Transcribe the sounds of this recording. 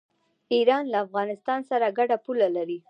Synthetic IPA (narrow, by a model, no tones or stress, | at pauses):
iɾɑnlaːfɣɑnɪst̪ɑnsaɾaɡaɖapulalaɾi